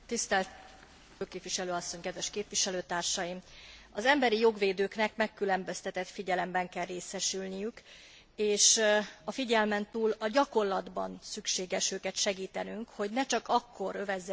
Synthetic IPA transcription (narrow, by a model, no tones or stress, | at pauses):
t̪ist̪ɛlt̪ | føːkeːpʋiʃɛløːɒsːo̞ɲkɛd̪ʋɛʃkeːpʋiʃɛløːt̪aːrʃɒjimɒzɛmbɛɾijo̞ɡʋeːd̪øːknɛkmɛkːylɛmbø̞st̪ɛt̪ɛt̪fiɟɛlɛmbɛŋkɛlːeːsɛʃylnijyk | eːʃɒfiɟɛlmɛnt̪uːlɒɟɒko̞rlɒd̪bɒ̰nsykʃeːɡɛʃøːkɛt̪ʃɛɡiːt̪ɛnyŋkho̞ɟnɛt͡ʃɒkɒkːo̞ɾø̞vɛzːɛ